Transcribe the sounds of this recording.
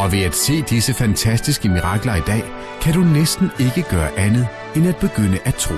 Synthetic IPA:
ɒ̽ʋe̝æd̥se̝̰ːd̥isəfænt͡sʰæsd̥isɡ̥əmiʁɑ̈ɡ̥lɐid̥ɛ̰ː | kʰæɾunesd̥n̩e̝ɡ̥əɡ̥ɶːɐʔænð̞̩ˠ | enæd̥̚b̥e̝ɡ̥øn̰əʔæt͡sʰʁo̰ː

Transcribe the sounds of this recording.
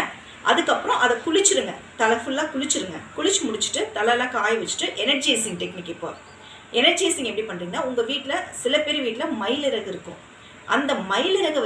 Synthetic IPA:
ʔɐ̰ðɯkːɐpːɯɾɔ̃ʔɐðɐkʊɭɪt͡ʃːɪɾɯŋɡɐt̪ɐlɐfʊɭːãːkʊɻɪt͡ʃːɯɾɯŋɡɐkʊɭɪt͡ʃːmʊɽɪt͡ʃːɯ̥ʈːɯt̪ɐlaːlãːkaːjʋɛt͡ʃːɯ̥ʈːɯʔɛnɐɾd͡ʒeːsɪŋʈɛknɪkːɪpːo̰ː | ɛnɐɾd͡ʒeːsɪŋɡɛpːɐɽipɐnːɾiːŋɡɐnːaːʊŋɡɐʋiːʈːɪlɐsɪlɐpeːɾiʋiːʈːɪlɐmɐɪlɪɾɐɣɪɾɯkːʊ̰̃ | ʔɐnd̪ɐmɐɪlɪɾɐɣɯ

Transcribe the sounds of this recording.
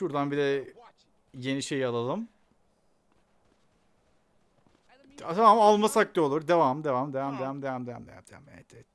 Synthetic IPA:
ʃuɾd̪anbid̪ɛ | je̞niʃe̞jalˠalˠɯm | t̪ʰamamalˠmasakt̪iolˠuɾd̪evamd̪evamd̪evamd̪evamd̪evamd̪eva̰md̪eva̰md̪ameɛt̪ʰɛt̪

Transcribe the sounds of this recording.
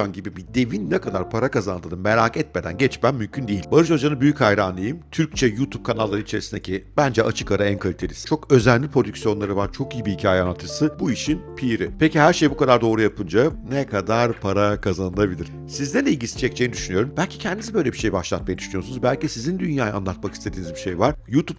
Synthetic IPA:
anɟibibid̪e̞vinːɛkʰad̪aɾpʰaɾakazanld̪ˠad̪ɯmmeɾaːkɛt̪me̞d̪æ̰nɟɛt͡ʃmæmmymcʰynd̪eilʲbaɾɯʃod͡ʒanɯbyjychajɾaːnˠɯjɯmt̪ʰyɾc̚t͡ʃʰɛjut̪ʰub̚kʰanalˠːaɾɯnit͡ʃʰe̞ɾisind̪ecʰibænd͡ʒɛʔat͡ʃʰɯ̥kaɾaænkʰalʲit̪ʰelʲist͡ʃʰo̞kø̞zænːʲipʰɾo̞d̪ycsijo̞nlˠaɾɯvaɾt͡ʃʰo̞kijibiicʰaːjɛanːˠat̪ʰːɯsɯbuiʃinpʰiɾipʰecihæɾʃe̞jbukad̪aɾd̪o̞ːɾujapʰɯnd͡ʒanɛkʰad̪aɾpʰaɾakʰazanɯlˠabilʲiɾ̥ | sizd̪ɛlʲɛilʲɟʲisi̥t͡ʃʰɛc̚t͡ʃʰejinid̪yʃynyjo̞ɾumbælʲcʰi̥cʰɛnd̪izibø̞jlʲebiʃe̞jbaʃlˠat̪̚majɛd̪yʃynyjo̞sunuzbælʲcisizind̪ynjaːjaanlˠat̪̚makist̪ʰe̞d̪iːnizbiʃejvaɾ̥juːt̪ʰup

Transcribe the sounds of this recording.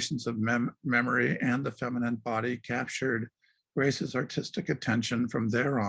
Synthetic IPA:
ʃn̩zʌvmmɛmə˞iʔɨ̃nðɨfɛmənɨ̃nbɑɾikʰæp̚t͡ʃə˞d̚ | ɡ̥ɹeɪsɨzɑɹtʰɪstɨkɨtʰɛ̃nʃɨ̃nfɹʌ̃mðə˞ɔ̃

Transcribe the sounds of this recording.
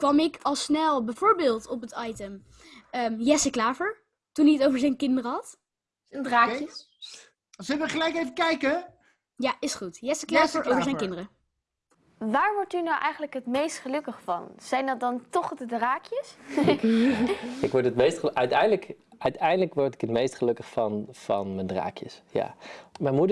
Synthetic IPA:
kʋɑmɪkʰɑlˠsnɛlˠbɛjvʊːɹbɪːlˠtɔpətɑjtəm | əjɛsəklaːfəɹ | tuniətowvəɹzɛjnkɪndərəɦɑt | aːkə | zəlʋəχəlɛjkejvəkɛjkə | jaɪsχutjɛsəklaːfəɹovəɹzɛjkɪndəɾə | ʋaːɹʋɔɹtynawʔɛjχənləkɦətmejstχəlɵkəχfɑ̰nz̥ɛjndɑt̚dɑntɔχdədraːkjəs | ɪkʋɔɹtɦətmejstχʔœɥtɛjndələk | œɥtɛjndələkʋɔɹtɪ̥kɦətmejstχəlɵkəχfɑnfɑ̰nməndra̰ːkjə̰sja̰ːmɛnmudə

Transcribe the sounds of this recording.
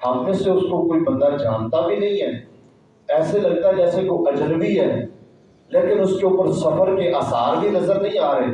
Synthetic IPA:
ãːfeseʊskokoːiːbənd̪aːd͡ʒʱaːnt̪aːbiːnə̃ĩːɦɛː | ɛːseləɡ̚t̪aːd͡ʒɛːsekoːʔəd͡ʒlbiːɦɛː | leːkɪnʊskeʊpəɾsəfʰəɾkeːʔaːsaːɾbiːnəzəɾnə̃ĩːaːɾəeː

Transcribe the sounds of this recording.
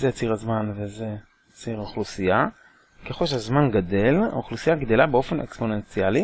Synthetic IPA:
zejt͡siʁazmanveze | t͡siʁoχlusija | keχo̞lʃeazmanɡad̪e̞laoχlusijaɡd̪e̞labeo̞fe̞nekspo̞ne̞nt͡siali

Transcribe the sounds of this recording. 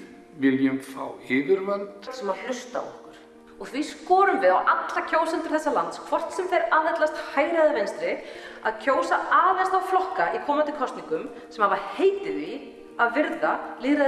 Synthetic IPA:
vɪljʏmfa̰ːwɪːvɪɾvant̪sɛmaðl̥ʏst̪a̰wɔ̰hkʏɾ̥ | ɔɣθviskɔːɾʏmvɪðawʔat̪lacʰoːwsɛnt̪ʏɾ̥θɛsːalant̪skʰvɔr̥t̪sɛmθejɾaːðɦɛt̪last̪haːjɾaðɪvejnst̪ɾɪaðcʰoːwsaaːðlɛnst̪awflɔhkaʔikʰɔːmant̪ɪkʰɔst̪niŋkʏm | sɛmhavaheːjt̪ɪɾvi | aðvɪɾðalɪːɾa

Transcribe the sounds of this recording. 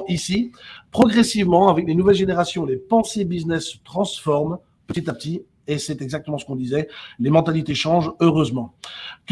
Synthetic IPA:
isipχɔɡʁɛsivmɑ̃avɛklenuvɛlʒeneʁasjɔ̃lepɑ̃sebiznɛsːə̥t̪χɑ̃sfɔʁm | pət̪it̪apət̪i | esɛt̪ɛɡzak̚t̪əmɑ̃sə̥kɔ̃d̪izɛlemɑ̃t̪alit̪eʃɑ̃ʒøʁøzmɑ̃k

